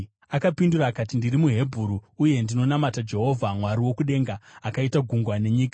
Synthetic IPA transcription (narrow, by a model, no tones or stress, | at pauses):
akapinduɾaːkatindirimuɦe̞bʱuɾuːje̞ndino̞namatad͡ʒe̞ɦo̞vʱamwaɾiwo̞kuɗe̞ŋɡaːkaitaɡʱuŋɡwane̞ɲiːkḁ